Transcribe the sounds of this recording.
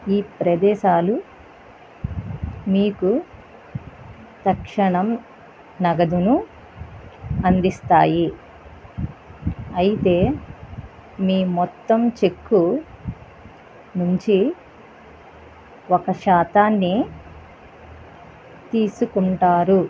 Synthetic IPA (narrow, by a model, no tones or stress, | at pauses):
iːpɾɐd̪ɛːʃaːlu | miːku | t̪ɐkʂɐɳɐm | nɐɡɐd̪unu | ɐnd̪ist̪aːji | ɐjit̪e̞ː | miːmɔt̪ːɐmt͡ʃe̞kːu | nuɲt͡ʃi | ɔkɐʃaːt̪aːnːi | t̪iːsukuɳʈaːɾu